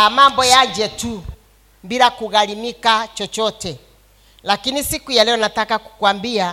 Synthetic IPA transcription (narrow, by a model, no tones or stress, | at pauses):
amambɔjad͡ʒɛtu | mbiɾakuɣalimikat͡ʃɔt͡ʃɔtɛ | lakinisikujalɛɔnatakaku̥kwambia